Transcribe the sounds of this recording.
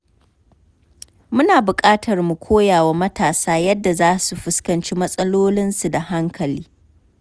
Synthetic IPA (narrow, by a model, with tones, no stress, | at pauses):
mʊ˦naː˨bʊ˨kʼaː˦tʰɐ˨rmu˨kʷʰoː˦jaː˨wa˦mɐ˦tʰaː˨saː˦jɐ˦dːa˨zaː˦su˨ɸʊ˦skɐ˨nt͡ʃi˦mɐ˦sʼɐ˦loː˦lɪ˦nsu˨da˨ha˦ŋkʰɐ˨liː˦